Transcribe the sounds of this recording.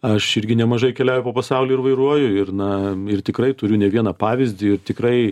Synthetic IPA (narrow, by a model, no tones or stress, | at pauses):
ɐʃɪɾʲɡʲɪnʲɛmɐʒɐɪkʲɛlʲæʊjʊpoːpɐsɑʊlʲiːɪɾʋɐɪɾuɔjʊɪrnɐɪrt̪ʲɪkɾɐɪt̪ʊɾʲʊnʲɛʋʲiɛnɐpɑːʋʲɪzʲd̪ʲɪɪɾt̪ʲɪkɾɐɪ